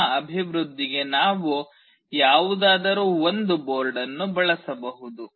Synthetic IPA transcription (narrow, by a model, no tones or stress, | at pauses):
ɐbʱiʋɾud̪ːiɡe̞naːʋu | jaːʋud̪aːd̪ɐɾuːond̪uboːɾɖɐnːubɐɭɐsɐbɐɦud̪u